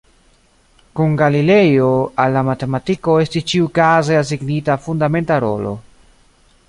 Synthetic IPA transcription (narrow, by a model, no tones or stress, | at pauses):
kunɡalile̞jo̞alːamate̞matiko̞e̞stist͡ʃiukazeas̬iɡnitafundame̞ntaɾo̞̰lo̞̰